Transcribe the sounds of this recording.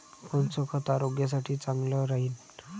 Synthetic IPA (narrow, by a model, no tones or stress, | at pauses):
kɔnt͡sɔkʰət̪aɾoɡjas̬aʈʰiːt͡saŋɡlɔɾaɦiːn